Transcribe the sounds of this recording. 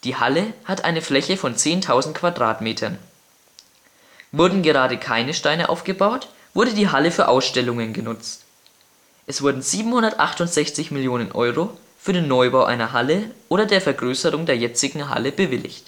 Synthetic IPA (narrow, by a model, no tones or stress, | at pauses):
d̥iːha̰ləhatʔa̰ɪnəflɛçəfɔnt͡seːntʰaʊzn̩t̚kv̥adʁa̰ːtmeːtʰɐn | vʊɐdn̩ɡəʁaːɾəkʰaɪnəʃtaɪnəʔa̰ʊfɡ̥əbaʊt | v̥ʊɐɾədiːɦaləfyːɐʔaʊsʃtɛlʊŋənɡənʊt͡st | ʔɛsv̥ʊɐdn̩ziːbm̩hʊndɐtʔa̰χtʊntz̥ɛçt͡sɪçmɪljoːnənʔɔʏʁo | fyːɐɾeːnːɔʏbaʊʔa̰ɪnɐɦaləʔoːɾɐdeːɐfɛɐɡʁøːsəʁʊŋdeːɐjɛt͡sɪɡŋ̩ɦa̰ləbəvɪlɪ̰çt